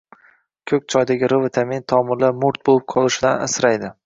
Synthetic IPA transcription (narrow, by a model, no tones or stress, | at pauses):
kʲʰɵk̚ʲt͡ʃʰɒjd̪aɡʲɪɾɨvɪt̪ʰamint̪ʰɒmɪɾlaɾmʊɾt̪̚bolˠɪp̚qʰɒlˠɪʃɪd̪ana̰sɾajd̪ɪ